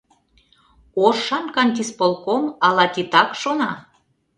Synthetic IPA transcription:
oʃːɑnkɑnʲt̪ʲispolˠkomɑlɑt̪it̪ɑkʃonɑ

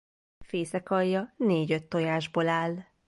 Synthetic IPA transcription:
feːsɛkɒjːɒneːɟø̞t̪ːo̞jaːʒbolaːl

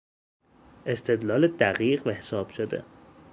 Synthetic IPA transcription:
ʔe̞st̪ʰe̞d̪lɒːled̪æɣiːɣvæhesɒːb̥ʃod̪ḛ

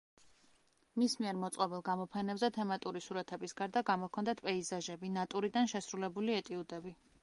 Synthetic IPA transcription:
mismiɛɾmɔt̪sʼqʼɔbɛlˠɡamɔpʰɛnɛbzɛt̪ʰɛmat̪ʼuɾisuɾat̪ʰɛbisɡ̥aɾd̪aɡamɔkʰɔnd̪at̪̚ʰpʼɛizaʒɛbinat̪ʼuɾid̪anʃɛsɾulɛbuliɛt̪ʼiud̪ɛbi

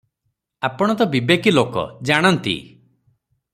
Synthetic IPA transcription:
apɔɽ̃ɔt̪ɔbibekilokɔ̰d͡ʒaɽ̃ɔnt̪ḭ

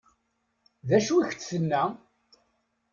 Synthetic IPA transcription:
ðæʃuiçt͡sθənːæ

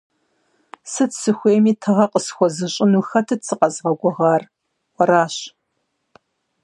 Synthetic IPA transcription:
sɨtsɨxʷeːmiːtʰɐʁɐqəsxʷɔzɨɕʼɪnuːxɐtʰɨtsɨqɐzʁɐɡʷɔʁɑːr | wʷɔɾaːɕ

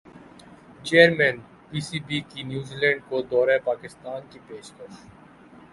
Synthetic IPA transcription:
t͡ʃeːəɾmɛ̃ːn | piːsiːbiːkinjuːziːlɛ̃ːɳɖ̚kod̪ɔːɾepaːkɪst̪aːnkipeːʃkəʃ

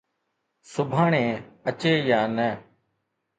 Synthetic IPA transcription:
sʊbʱaːɳẽːət͡ʃeːjaːnɛː

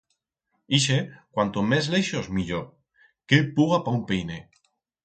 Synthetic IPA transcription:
iʃekwant̪omezleʃozmiʎo | kepuɣapaumpejne

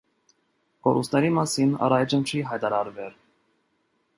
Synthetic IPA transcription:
kɔɾust̪nɛɾimɑsinɑ̰ɾɑjd͡ʒənt͡ʃʰiɦɑjt̪ɑɾɑɾvɛɾ

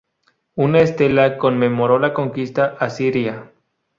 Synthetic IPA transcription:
unaest̪e̞lako̞nme̞mo̞ɾo̞lakoŋkist̪aʔasiɾja

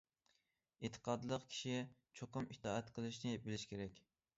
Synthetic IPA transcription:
et̪ʰːə̥qʰɑd̪lˠəqkʲʰi̥ʃit͡ʃʰoqʊmit̪ʰɑːɛt̪qʰəlˠɨʃnɪbɪlɪʃkʲʰeɾɛkʲ

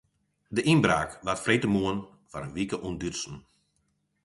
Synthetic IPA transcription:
dəʔinbraːkʋatfreːtəmuən | faɾənʋikəʔundytsn̩

